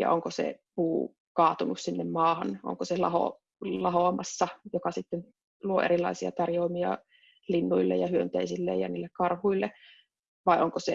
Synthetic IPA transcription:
jɑ̰ʔoŋkosḛpuː | kɑːt̪unussinːemmɑːhɑnʔo̰ŋkoselɑ̰ho̰ | lɑɦoɑmɑsːɑjokɑsit̪ːen | luo̰ʔḛɾilːˑɑ̰isiɑ̰t̪ɑrjoimiɑ̰ | linːuilːḛjɑhyønt̪eisilːḛjɑ̰niːlːekkɑrhuilːe | ʋɑiʔoŋkose

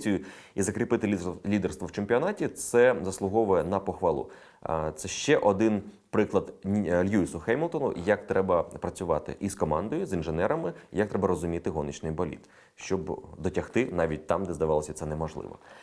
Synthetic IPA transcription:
t͡sʲijʊ | izɐkɾɪpɪt̪ɪlʲid̪ɛrst̪ʋɔwt͡ʃemʲpʲiɔnɑtʲit̪sɛzɐslˠʊɦɔʋʊjɛnɐpɔxʋɐlˠṵ | t̪sɛʃt͡ʃɛʔɔd̪ɪn | pɾɪklˠɐd̪ʲlʲjuisʊxɛjmʲɔlˠt̪ɔnʊ̰jɐk̚t̪ɾɛbɐpɾɐt͡sʲʊʋɑ̰t̪ɪ̰ʔiskɔmɑnd̪ɔjʊzinʒenɛɾɐmɪjɐk̚t̪ɾɛbɐrɾɔzʊmʲit̪ɪɦɔnɪt͡ʃnɪjbɐlʲḭt̪ | ʃt͡ʃɔbd̪ɔtʲɐxt̪ɪnɑʋʲit̚ʲt̪ɑmd̪ɛzd̪ɐʋɑlˠɔsʲɐt̪sɛnɛmɔʒlˠɪ̰ʋɐ̰

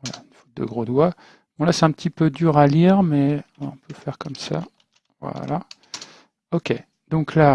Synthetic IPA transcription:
vwala̰ynfu̥t̪̚d̪ə̰ɡʁod̪wa | b̥ɔ̃lasɛɛ̃pt̪ʰipød̪yːʁaliːʁmɛ̃ɔ̃pʰøfɛʁkɔmsa̰ | vwa̰la̰ | ɔkʲe | d̪̥ɔ̃kla

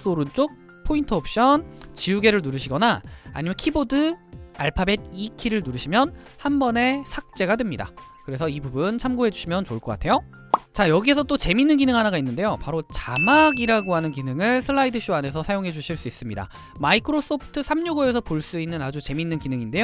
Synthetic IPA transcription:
s͈oɾɯnt͡ɕ͈ok̚ | pʰointʰɯop̚ʰɕ͈ʌnt͡ɕiuɡe̞ɾɯɭnuɾɯɕʰiɡʌna̰ːɲimjʌnkʰibodɯaɭpʰabe̞d̚ikʰiɾɯɭnuɾɯɕʰimjʌn | hambʌne̞sʰak̚t͡ɕ͈e̞ɡadwe̞mɲida̰kɯɾe̞sʰʌibubunt͡ɕʰamɡoɦe̞d͡ʑuɕʰimjʌnt͡ɕoɭk͈ʌk͈atʰe̞jo | t͡ɕajʌɡie̞sʰʌt͈ot͡ɕe̞minːɯnɡinɯŋɦanaɡainːɯnde̞jopaɾot͡ɕamaɡiɾaɡoɦanɯnk̬inɯŋɯɭsʰɯɭːaidɯɕ͈ʰuane̞sʰʌsʰajoŋɦe̞d͡ʑuɕʰiɭs͈uis͈ɯmɲida̰ | maikʰɯɾos͈opʰtʰɯsʰamɲuɡoes̬ʰʌpoɭs͈uinːɯnad͡ʑut͡ɕe̞minːɯnkinɯŋinde̞jo

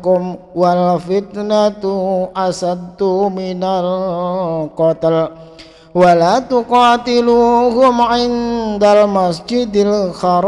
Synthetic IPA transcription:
kʊm | walfit̪nat̪uʔasad̪uminal | kɔt̪əl | walat̪uqɑt̪iluɦʊmʕɪnd̪almasd͡ʒɪd̪alxaɾ

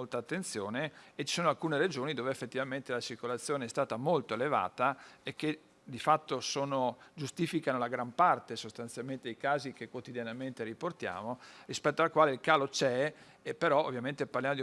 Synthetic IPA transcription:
olt̪aːt̪ːent̪sjoːneːt͡ʃːi̥soːnoalkuːneɾed͡ʒoːnid̪oːveefːet̪ːivament̪elat͡ʃirkolat̪sːjoːneɛst̪aːt̪amolt̪oeleva̰ːt̪aekːe | d̪ifat̪ːosoːnod͡ʒust̪iːfikanolaɡɾampart̪esost̪ant̪sjalment̪ed̪ejkaːzikekwot̪id̪janament̪eɾiport̪ja̰ːmorispɛt̪ːoalkwaːleilkaːlot͡ʃɛ | epːeɾɔo̰vːjament̪eparljamod̪i

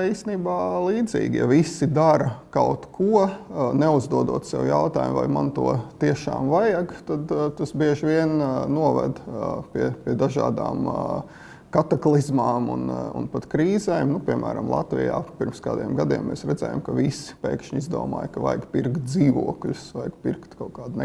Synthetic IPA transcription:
iːst̪eniːbaːlˠiːd̪zḭːɡʲja̰visid̪aɾɐkaʊt̪kʰuɔnɛuzd̪uɔd̪uɔt̪sɛwjaʊt̪aːjṵmva̰jmant̪uɔt̪iɛʃa̰ːmvajaɡt̪ad̪t̪asbiɛʒʋiɛnnuɔvɛ̰d̪piɛpiɛd̪aʒa̰ːd̪a̰ːm | kat̪aklˠizmaːmṵnṵnpat̪kɾiːzɛːmnupʲiɛmʔæ̰ːɾa̰mlˠɑ̰t̪ʋḭja̰ːpiɾmskaːd̪iːɛmɡad̪iɛmːɛsɾɛd̪zɛ̰ːja̰mkaʋispɛ̰ːkʃɲizd̪ṵːma̰ːjkɐʋa̰jkpiɾkt̪̚d̪ziːʋuɔklʲʊsʋajɡpiɾkt̪kaʊkaːd̪n

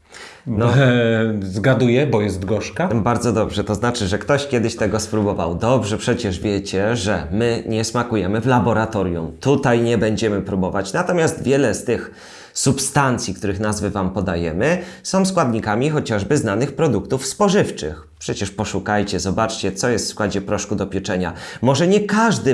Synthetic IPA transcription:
nɔ | zɡad̪ujɛbɔjɛst̪ɡɔʂkabaɾd̪zɔd̪ɔbʐɛt̪ɔznat͡ʂɘʐɛkt̪ɔɕkʲjɛd̪ɘɕt̪ɛɡɔspɾubɔva̰wd̪ɔbʐɛpʂɛt͡ɕɛʐvʲjɛt͡ɕɛʐɛmɘɲɛsmakujɛmɘvlabɔɾat̪ɔɾʲjṵmt̪ut̪ajɲɛbɛɲd͡ʑɛmɘpɾubɔvat͡ɕnat̪ɔmʲjast̪vʲjɛlɛst̪ɘx | supst̪ant̪sʲjikt̪uɾɘxnazvɘvampɔd̪ajɛmɘsɔ̃w̃skwad̪ɲikamʲixɔt͡ɕaʐbɘznanɘxpɾɔd̪ukt̪ufspɔʐɘft͡ʂɘ̰xpʂɛt͡ɕɛʂpɔʂukajt͡ɕɛzɔbat͡ʂt͡ɕɛt̪sɔjɛst̪fskwad͡ʑɛpɾɔʂkud̪ɔpʲjɛt͡ʂɛɲa̰mɔʐɛɲɛkaʐd̪ɘ

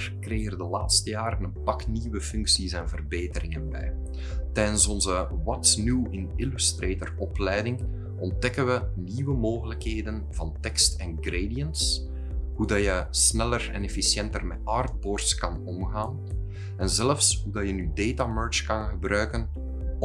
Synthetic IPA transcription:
rkreːɣərdəlaːtstəjaːɾənənpɑkniʋəfʏŋksisɛnvərbeːtərɪŋənbɛ̰j | tɛjdənsɔnzəwɑtsnuwɪnɪlystreːtərɔplɛjdɪŋ | ɔn̚dɛkənʋəniʋəmoːɣələkɦeːdənvɑntɛkstɛnɡreːdijənts | ɦudɑjəsnɛlərɛ̰nɛfisjɛntərmɛtɑːrd̚bɔrskɑnɔmɣaːn | ɛnzɛləfsɦudɑjənydeːtamøɹt͡ʃkɑnɣəbɾœɥkən

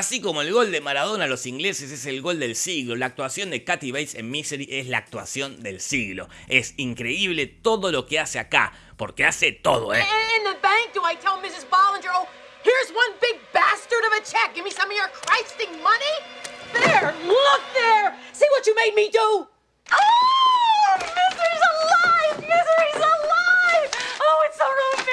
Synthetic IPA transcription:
asiko̞moelɣo̞ld̪emaɾaðo̞nalosiŋɡleseseselɣo̞ld̪elsiɣlo̞laːk̚t̪wasjond̪ekat̪iβejsenmiseɾiʔesla̰ːk̚t̪wa̰sjo̞nd̪elsiɣlo̰esiŋkɾeiβle̞t̪o̞ðo̞lo̞keaseaka̰ | poɾkeaset̪o̰ðo̰ɪ̃nðɨbæ̃ŋk̚d̥əaɪtʰɛlˠmɪsɨzbɑlˠə̃nd͡ʒə˞lˠ | hiɹzwʌ̃nbɪɡ̚bæstə˞ɾʌvɨt͡ʃʰɛk̚ɡ̥ɪvmisʌ̃mɪ̃ə˞kʰɹ̥aɪstɪ̃ŋmʌniðɨəlʊk̚ðə˞siwʌt͡ʃɨmeɪd̚midu | o | mɪzə˞izəlaɪfmɪzə˞izəlaɪfoʊɪtsəɹulˠ

